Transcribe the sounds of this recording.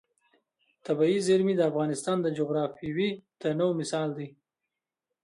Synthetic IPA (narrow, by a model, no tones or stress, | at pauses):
t̪abɑizɪɾmid̪əːfɣɑːnɪst̪ɑnd̪əd͡ʒoɣɾɑfiwit̪ənowmɪsɑːld̪i